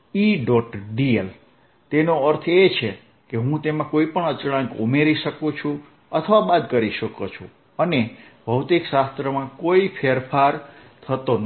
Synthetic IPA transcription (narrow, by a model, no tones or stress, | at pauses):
iɖɔʈɖiel | t̪enoəɾt̪ʰet͡ʃʰe | keɦũt̪emãkoipəɳət͡ʃɽãŋko̰meɾiʃəkũt͡ʃʰũ | ət̪ʰəʋabad̪kəɾiʃəkot͡ʃʰṵ̃ | ənebʱəwt̪iksast̪ɾəmãkoipʰeɾpʰaɾt̪ʰət̪on